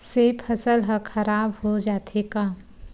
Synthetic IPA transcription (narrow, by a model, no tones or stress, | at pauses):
sepʰɐsəlɦəxʰɐɾaːbhod͡ʒaːt̪ʰeka